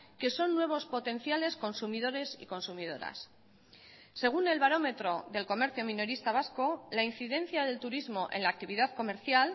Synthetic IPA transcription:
ke̞so̞nːwe̞β̞o̞spo̞t̪e̞nθjale̞sko̞nsumiðo̞ɾe̞sḭko̞nsumiðo̞ɾa̰s | e̞ɣ̞une̞lβaɾo̞me̞t̪ɾo̞ðe̞lko̞me̞ɾθjomĩno̞ɾist̪aβ̞asko̞lain̟θiðẽ̞n̟θjaðe̞lt̪uɾizmo̞ʔe̞̰nlak̚t̪iβiðaðko̞me̞ɾθjal

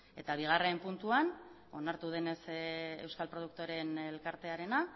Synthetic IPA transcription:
e̞t̪aβ̞iɣ̞are̞mpunt̪uan | o̞naɾt̪uðe̞ne̞se̞wskalpɾo̞ð̞uk̚t̪oɾe̞nelkaɾt̪e̞aɾe̞na

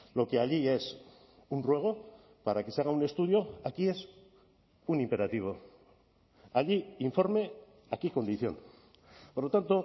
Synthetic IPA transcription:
lo̞ke̞aʎie̞s | unrwe̞ɣ̞o̞ | paɾake̞seaɣ̞aune̞st̪uðjo̞akie̞s | unimpe̞ɾat̪iβ̞o̞ | aʎiiɱfo̞ɾme̞ | akiko̞nd̪iθjo̞̰n | poɾlo̞t̪ant̪o

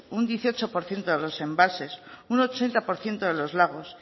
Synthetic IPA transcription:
und̪jeθio̞t͡ʃo̞po̞ɾθje̞nt̪oðelo̞se̞mbalse̞suno̞t͡ʃe̞nt̪apoɾθje̞nt̪oðe̞lo̞zlaɣ̞o̞s

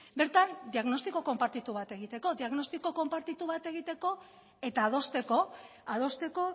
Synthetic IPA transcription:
be̞ɾt̪and̪iaɣno̞st̪iko̞ko̞mpaɾt̪it̪uβ̞at̪e̞ɣ̞it̪e̞ko̞ðiaɣno̞st̪iko̞ko̞mpaɾt̪it̪uβ̞at̪e̞ɣ̞it̪e̞ko̞ | e̞t̪aːð̞o̞st̪e̞ko̞ | aðo̞st̪e̞ko̞

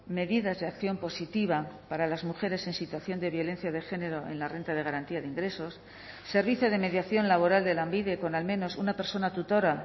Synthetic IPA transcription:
me̞ðiðazðe̞akθjo̞mpo̞sit̪iβapaɾalazmuxe̞ɾe̞se̞nsit̪waθjo̞nd̪e̞βjo̞le̞n̟θjað̞e̞xe̞ne̞ɾo̞e̞̰nlare̞nt̪að̞eɣaɾant̪iaðeiŋɡɾe̞so̞sː | e̞ɾβiθjoð̞e̞me̞ðjaθjo̞nlaβ̞o̞ɾald̪e̞lambiðe̞ko̞nalmẽ̞no̞sunape̞ɾso̞nat̪ut̪o̞ɾa

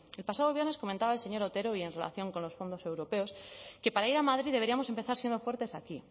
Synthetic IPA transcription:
elpasað̞o̞β̞je̞ɾne̞sko̞mẽnt̪aβaelse̞ɲo̞ɾot̪e̞ɾoie̞nre̞la̰θjo̞ŋko̞nlo̞sfo̞nd̪o̞se̞wɾo̞pe̞o̞ske̞paɾaiɾamaðɾiðee̞ɾiamo̞se̞mpe̞θaɾsje̞nd̪o̞fweɾt̪e̞saki

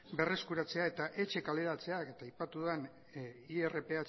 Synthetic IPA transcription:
be̞re̞skuɾat͡se̞aet̪aʔe̞t͡ʃe̞kale̞ɾat͡se̞ake̞t̪aːjpat̪uðen | iere̞pe̞at͡s

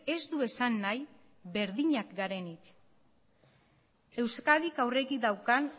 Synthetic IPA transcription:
e̞zd̪ue̞sanːaj | βe̞ɾðiɲakɡaɾe̞nik | e̞wskaðikawre̞ɣid̪awkan

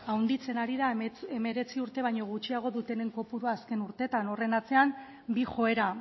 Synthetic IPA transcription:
awnd̪it͡senaɾiðae̞me̞ɾe̞t͡siuɾt̪e̞β̞ajɲo̞ɣ̞ut͡ʃiaɣ̞o̞ðut̪e̞ne̞ŋko̞puɾuaːske̞nuɾt̪e̞t̪ano̞re̞nat͡se̞am | bixo̞e̞ɾa

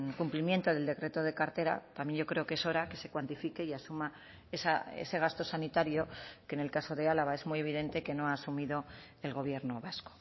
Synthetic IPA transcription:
kumplimje̞nt̪oðeld̪e̞kɾe̞t̪o̞ð̞e̞kaɾt̪e̞ɾa̰t̪amje̞nʝo̞kɾe̞o̞kee̞so̞ɾake̞se̞kwant̪ifike̞iasuma | esaḛse̞ɣ̞ast̪o̞sanit̪aɾjo̞ke̞ne̞lkaso̞ðe̞alaβae̞zmuje̞β̞iðe̞nt̪e̞ke̞no̞aːsumiðo̞ | e̞lɣo̞β̞je̞ɾno̞βasko̥

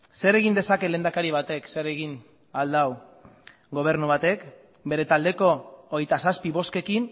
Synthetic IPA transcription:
se̞ɾe̞ɣind̪e̞sake̞le̞ːnd̪akaɾiβ̞at̪e̞kse̞ɾe̞ɣin | ald̪aw | ɡo̞β̞e̞ɾnuβ̞at̪e̞k | be̞ɾe̞t̪ald̪e̞ko̞ːɣjt̪asaspiβo̞ske̞kin

